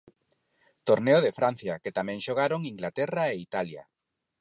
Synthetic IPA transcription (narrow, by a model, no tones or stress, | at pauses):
t̪oɾneoðefɾan̟θjaket̪amɛ̃ŋʃoɣ̞aɾoŋiŋɡlat̪ɛraeit̪alja̰